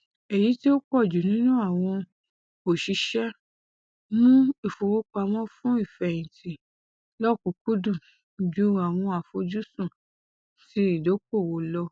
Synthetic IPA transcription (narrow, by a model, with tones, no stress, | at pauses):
e˨ji˨˦ti˦o˦k͡pɔ˦˨d͡ʒu˨nĩ˦nũ˦a˦˨w̃ɔ̃˧ | o˨ʃi˧ʃɛ˦ | nũ˦i˨fo˨wo˦k͡pa˧mɔ̃˦fũ˦i˦˨fɛ˨ĩ˨tʰi˨ | lɔ˦˨ku˧˦ku˦dũ˦˨ | d͡ʒu˦a˨w̃ɔ̃˧a˨fo˧d͡ʒu˦sũ˦˨ | ti˦i˦˨do˨˦k͡po˦˨wo˨lɔ˧